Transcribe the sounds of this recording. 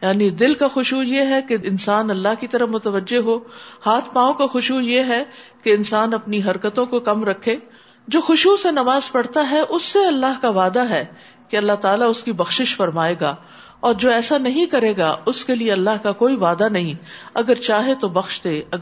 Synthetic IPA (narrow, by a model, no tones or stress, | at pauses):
jaːnid̪ɪlkaxʊʃujeɦɛkeɪnsaːnɐlːaɦkit̪ɐɾəmʊt̪əʋəd͡ʒːeɦoːhaːt̪ʰpaːõkaxʊʃujeɦɛkeɪnsaːnɐpniɦɐɾkət̪õkokɐmɾɐkʰːeː | d͡ʒoːxʊʃusenɐmaːzpɐɽ̤t̪aɦɛʔʊsːeɐlːaɦkaʋaːd̪aɦɛː | keɐlːaɦt̪aːlaʊskibɐxʃɪʃfɐɾmaːeːɡaː | ɔːɾd͡ʒoːɛːsanɐɦĩkɐɾeːɡaʊskelieɐlːaɦkakoːiʋaːd̪anɐɦĩɐɡəɾt͡ʃaːɦet̪obɐxʃd̪eːɐ